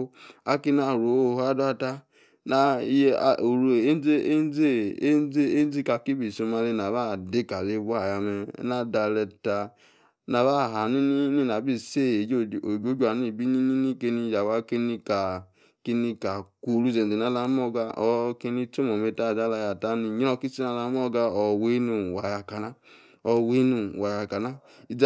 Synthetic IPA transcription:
a˦ki˦n˦a˨ɾo˨o˦˨ha˦da˦ta˦ | na̰˨˦˨ | o˨ɾu˨e˦n˦e˦e˦n˦ze˦n˦e˦e˦n˦zi˦ka˧˨ki˦bi˨so˧ma˧le˧na˨ba˦˨de˦ka˨le˦bu˦a˦˨ja˨˧me˧˦na˦da˧lɛ˧ta˧ | na˨ba˦˨ɦa˨ni˦ni˦ni˦˨na˨bi˦˨se˦˨e˨˦˨o˨ɡo˦d͡ʒa˨ni˦˨bi˦ni˦ni˦ni˦ke˧ni˧ja˨wa˧ke˧˦ni˧ka˨ | ke˧ni˧ka˨ku˧lu˦˨zɛ˨n˨e˨na˧˦la˧˦mɔ˦˨ɡa˧ɔ˧ke˧ni˧to˦mɔ˨me˧ta˦˨za˦la˧ja˧˨ta˦ni˧ɲ˦ɔ˧ki˦si˦na˧˨la˧˦m˦ɔ˦˨ɡa˧ɔ˧we˦nu˧˨wa˨ja˧ka˨na˦ | ɔ˧we˦nu˧˨wa˨ja˧ka˨na˦ | i˧˦

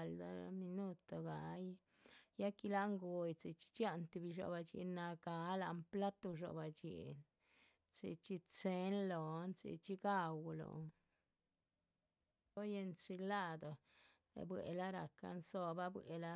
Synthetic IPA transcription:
ld̪a˧mi˧nu˦t̪o˨ɡa˨j | ja˦ki˧la˦ŋɡo˧jt͡si˨t͡ʃi̥˦t͡ʃja˦˧nt̪i˧bi˧ʃo̰˧˨ba˧t͡ʃḭ˧˨na˧ɡa˨˦la˧mpla˦t̪o˧ʃo̰˧ba˨t͡ʃḭ˨n | t͡sḭ˧t͡ʃi˧t͡se˦nlo˨nt͡sḭ˧˨t͡ʃi˧ɡa˦wlo̰˨ | o˦je˧nt͡si˧la˦˨d̪o˨ | ḛ˨bwḛ˨la˦ɾa˨ka̰˧nso˧ba˦bwe˨la˦

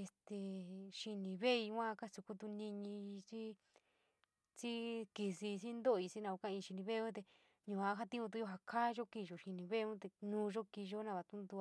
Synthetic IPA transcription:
e˧st̪e˧ʃi˧nĩ˨˧βe˦i˧˦ã˦˧ka˦su˧ku˦t̪u˧nĩ˧ɲĩ˧t͡ʃi˦ | t͡ʃi˦ki˧si˧t͡ʃi˦nd̪o˦˧i˧t͡ʃi˦nã˧a˧kã˦˧ĩ˧ʃi˧nĩ˧βe˦˧ũ˦t̪̬e˧ | ɲũ˨a˧˦ɦa˦t̪ĩ˦ũ˧t̪u˧˦jo˧ɦa˧kʰa˦ʒo˦ki˧˨ʒo˨ʃi˧nĩ˧βe˦˧ũ˦t̪e˧nũː˧˦ʒo˦ki˧ʒo˦nã˧βa˧t̪ũ˦nd̪u˧a˧

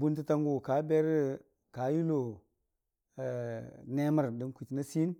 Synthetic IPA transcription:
bu˦nti˦ta˦ŋɡu˦˨ka˨˦be˦ɾ | ka˨˦ji˦lo˨ | ne˦ma˦ɾdi˨nku˨ti˨na˦si˦n

